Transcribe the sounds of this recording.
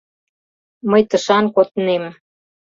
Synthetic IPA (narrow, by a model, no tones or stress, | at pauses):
məjt̪əʃɑnkot̪nem